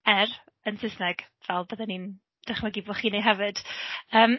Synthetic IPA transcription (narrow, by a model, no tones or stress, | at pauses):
ɛr | ənsɪsnɛɡ̥ | vɛlˠbəðɛnin | d̥ɛχmaɡibɔχiːnejɦɛvɨd̥əːm